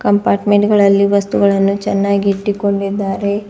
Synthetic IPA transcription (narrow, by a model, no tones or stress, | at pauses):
kɐmpaːɾʈmeɳʈɡɐɭɐlːiʋɐst̪uɡɐɭɐnːut͡ʃɛnːaːɡiːʈːiko̞ɳɖid̪ːaːɾe̞